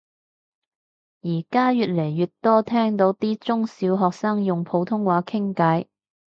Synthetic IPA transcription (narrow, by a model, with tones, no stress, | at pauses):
jiː˨˩kaː˥jyː˨t̚le˨˩jːyː˨tt̪ɔː˥t̪ʰɛː˥ŋt̪o˨˧˥wt̪iː˥t͡sʊ˥ŋsiː˨˥wɦɔː˨k̚saː˥ŋjʊ˨ŋpʰo˨˥wt̪ʰʊ˥ŋwaː˨˥kʰɪ˥ŋkɐ˨˥j